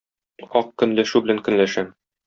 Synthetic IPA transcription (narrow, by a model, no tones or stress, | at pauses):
ɒq̚kɵ̆nlæʃʉbɘ̆læŋkɵ̆nlæʃæm